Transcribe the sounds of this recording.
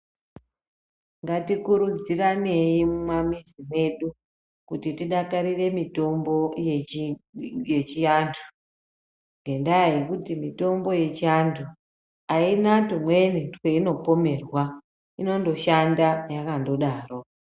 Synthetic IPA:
ŋɡatikuɾud͡zirane̞jimumwamizimwe̞ɗu | kutitiɗakaɾire̞mito̞mbo̞j | je̞t͡ʃiantʰu̥ | ŋɡe̞ndaajekutimito̞mbo̞je̞t͡ʃiantʰu | ainatumwe̞nitwe̞ino̞po̞me̞rwa | ino̞ndo̞ʃandajakando̞ɗaːro

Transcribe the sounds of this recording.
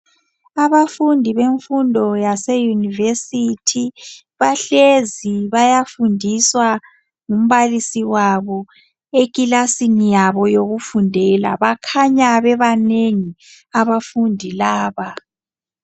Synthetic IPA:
aβafundʱiβeɱfundʱɔjasejunivesitʰi | βaɬeziβajafundʱiswa | ŋum̩βalisiwaβɔ | ekʼilasinijaβɔjoɣufundʱɛla̰βakʰaɲaβɛβaneŋi | aβafundʱilaːβa

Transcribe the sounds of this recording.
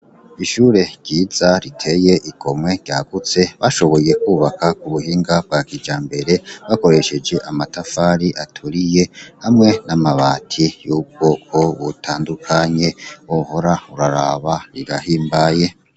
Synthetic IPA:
iʃuːɾe̞ɟ̥ɟiːz̥aɾitʰe̞je̞ʔiɡo̞mŋe̞ɟɟaɡ̥ut͡se̞βaʃo̞βo̞je̞kuːβakakuβuhiːŋɡab̚ɡaːkid͡ʒaːmbe̞ɾe̞βako̞ɾe̞ʃe̞d͡ʒe̞ʔamatafaɾiʔatʰuɾije̞hamŋe̞namaβaːtʰijuːko̞ko̞βutʰaːndukʰaɲe̞oho̞ɾauɾaɾaβaɾiɡahiːmbaje̞

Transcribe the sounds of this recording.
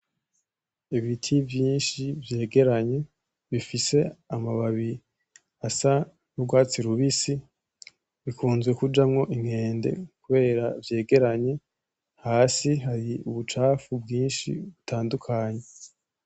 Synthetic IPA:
iβitʰivjiːnʃivje̞ːɡe̞ɾaɲe̞ | βifise̞amaβaβi | asa | nubɡwaːt͡siɾuβisi | βikuːnzɡwe̞kud͡ʒamŋo̞ʔiŋhe̞ːnde̞̰kuβe̞ːɾavje̞ːɡe̞ɾaɲe̞ | haːsiɦaɾiuβut͡ʃaːfubɡiːnʃḭβutʰaːndukʰaɲe̞

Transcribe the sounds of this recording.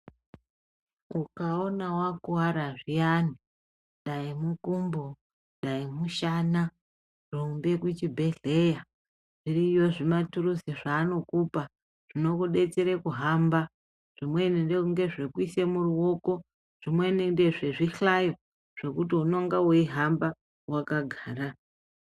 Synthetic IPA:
ukaonawakuaɾaʐianii | ɗaimukumbo | ɗaimuʃana | ruːmbe̞kut͡ʃibʱe̞ɮe̞ja | ʐ̥irijo̞ʐimaturuseʐaːno̞kuːpa | ʐ̥ino̞kuɗe̞t͡seɾekuɦamba | ʐ̥imwe̞nindeuŋɡe̞ʐekwise̞muruwoko̞ | ʐ̥imwe̞nindeʐeʐiɬajo̞ | ʐ̥e̞kutiunoŋɡawoiɦamba | wakaɡʱaːɾa

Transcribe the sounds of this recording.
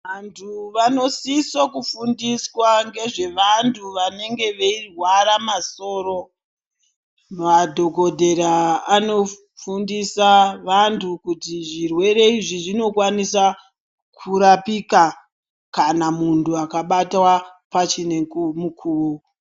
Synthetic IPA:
ʋantʰuʋano̞sisokufundiswaŋɡe̞ʐe̞ʋantʰuʋane̞ŋɡe̞ʋeirwaɾamaso̞ːɾo̞ | madʱo̞ɡʱo̞dʱe̞ɾaːno̞ | fundisaʋantʰukutiʐirwe̞ɾe̞iʐiʐino̞kwanisa | kʰuɾapika | kanamuntuakaɓatwa | pat͡ʃine̞kumukʰuru

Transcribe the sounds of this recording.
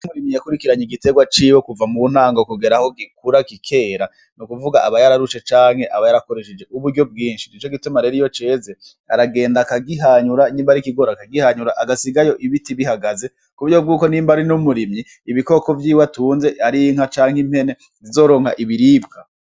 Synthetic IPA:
muɾimɲijakuɾikiɾaɲiɡite̞ɡwat͡ʃiːwo̞kuvamun̥haːŋɡokuɡeɾaho̞ɡikuɾakikʰe̞ːɾa | nukuvuɡaʔaβajaɾaɾuʃe̞t͡ʃaːŋ̥he̞ʔaβajaɾako̞ɾe̞ʃed͡ʒe̞uβuɾɟo̞b̚ɡiːnʃin̥it͡ʃo̞ɡitumaɾe̞ɾijo̞t͡ʃe̞ːze | aɾaɡe̞ːndakaɡiɦaɲuɾaniːmbaɾikiɡo̞ɾakaɡihaɲuɾaʔaɡasiɡajo̞ʔiβitiβihaɡaze̞ | kuβjob̚ɡuːko̞niːmbaɾinumuɾimɲiːβiko̞ko̞vjiːwatuːnze̞aɾiŋ̥hat͡ʃaːŋhim̥he̞ne̞ | zizo̞ːɾo̞ːŋhaʔiβiɾiːbkʰa

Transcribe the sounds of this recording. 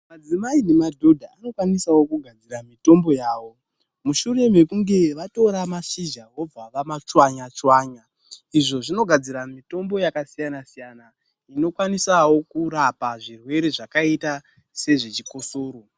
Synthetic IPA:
mad͡zimainemadʱodʱaano̞kwanisawo̞kuɡʱad͡ziɾamito̞mbo̞jaːwo̞ | muʃure̞mekuŋɡe̞ʋato̞ɾamasid͡ʒawo̞b͡vaʋamat͡ʂwaɲat͡swaːɲa | iʐo̞ʐino̞ɡʱad͡ziɾamito̞mbo̞jakasijanasijana | ino̞kwanisawo̞kuɾapaʐirwe̞ɾe̞ʐakaita | se̞ʐet͡ʃiko̞soːɾo̞

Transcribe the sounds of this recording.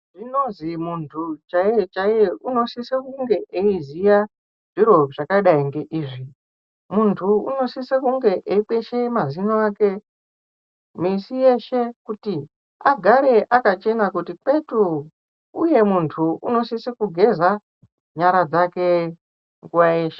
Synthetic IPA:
ʐinozimuntʰut͡ʃajet͡ʃaeuno̞sisekuŋɡe̞ʔeizija | ʐ̥iɾo̞ʐakaiɗaiŋɡe̞ʔiːʐi | muntʰuṵno̞sisekuŋɡe̞ʔeipeʃemazinoake | misije̞ʃe̞kuti | aɡʱaɾe̞ʔakat͡ʃe̞nakutipe̞tu | uje̞muntʰuṵno̞sisekuɡʱe̞za | ɲaɾad͡zake̞ | ŋɡuwajeːʃe

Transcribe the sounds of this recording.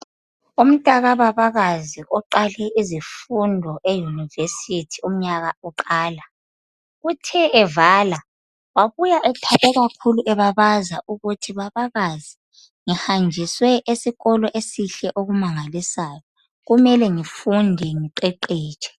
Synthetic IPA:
um̩tʼaɣaβaβaɣaziʔɔǃalɛʔizifundʱɔʔejunivesitʰium̩ɲaɣaɔǃaːla | ɣutʰɛɛvaːla | waβujaʔɛtʰakʼɛɣakʰuluʔɛβaβazaʔuɣutʰiβaβaɣazi | ŋihand͡ʒʱiswɛʔesiɣɔlɔʔesiɬɛʔoɣumaŋalisaːjɔ | ɣumɛlɛŋifundʱɛŋiǃɛǃiːt͡ʃʼɛ̥

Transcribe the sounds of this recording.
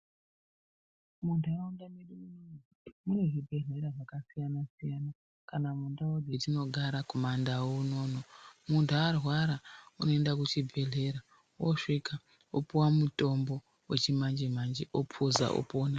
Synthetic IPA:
muntɾaundamiɗimuini | muneɦibʱe̞ɮe̞ɾaʐakasijanasijana | kanamundawoditino̞ɡʱaɾakomandawouno̞ːno̞muntʰaarwaɾauno̞e̞ndak̬ut͡ʃibʱe̞ɮe̞ɾa | woʂika | opuwamuto̞mbo̞ | we̞̰t͡ʃimand͡ʒimand͡ʒiʔopʰuza̰ʔo̰poːna

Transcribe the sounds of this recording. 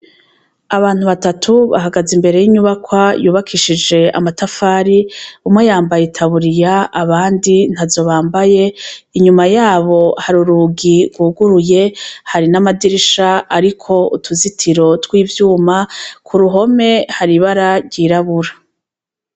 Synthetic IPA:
aβaːn̥huβatatʰuβa̰ɦaɡazimbe̞ɾe̞jiɲuβakwajuːβakʰiʃid͡ʒe̞a̰matafaːɾiumwejaːmbajetʰaβuɾijaaβaːndin̥hazo̞βaːmbaje̞iɲumajaːβo̞haɾuɾuɡiɡwuːɡuɾuje̞haɾinamadiɾiʃaaɾikʰo̞utʰuzitʰiɾo̞twiːvjuːmakʰuɾuɦo̞me̞haɾiβaɾaɾɟiːɾaβuɾa

